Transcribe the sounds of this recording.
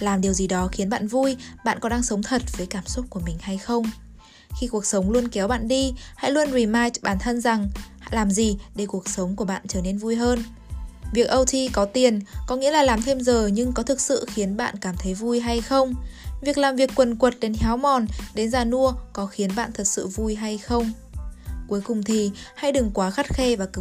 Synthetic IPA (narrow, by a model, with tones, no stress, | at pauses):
laː˨˩mɗi˨˩əwzi˨˩ɗɔ˨˦xi˨˦ənɓa̰ː˧˨nvu˧jɓa̰ː˧˨nkɔ˨˦ɗaː˧ŋsə˨˦wŋ͡mt̪ʰə˨˩t̚vəː˨˦jkaː˧˩msu˦˥t̚ku˧˩əmï˨˩ŋ̟ha˧jxə˧wŋ͡m | xi˧ku˨˩ək̚sə˨˦wŋ͡mlu˧ənkɛ˨˦wɓa̰ː˧˨nɗi˧ha̰˧˥jlu˧ənwi˨˩maː˧jɓaː˧˩nt̪ʰə˧nza˨˩ŋha̰˧˨laː˨˩mzi˨˩ɗe˧˩ku˨˩ək̚sə˨˦wŋ͡mku˧˩əɓa̰ː˧˨nt͡ɕəː˧˩ne˧nvu˧jɦəː˧n | vi˨˩ək̚ʔə˧wt̪ʰi˧kɔ˨˦t̪i˨˩ənkɔ˨˦ŋḭ˧˥laː˨˩laː˨˩mt̪ʰe˧mzəː˨˩ɲɨ˧ŋkɔ˨˦t̪ʰɨ˨˩k̚sɨ̰˧˨xi˨˦ənɓa̰ː˧˨nkaː˧˩mt̪ʰə˨˦jvu˧jɦa˧jxə˧wŋ͡mvi˨˩ək̚laː˨˩mvi˨˩əkːwə˨˩nkwə˨˩t̚ɗe˨˦nha˨˦wmɔ˨˩nɗe˨˦nzaː˨˩nu˧əkɔ˨˦xi˨˦ənɓa̰ː˧˨nt̪ʰə˨˩t̚sɨ̰˧˨vu˧jɦa˧jxə˧wŋ͡m | ku˨˦əjkʊ˨˩ŋ͡mt̪ʰi˨˩ha̰˧˨jɗɨ˨˩ŋkwaː˨˦xa˦˥t̚xe˧vaː˨˩k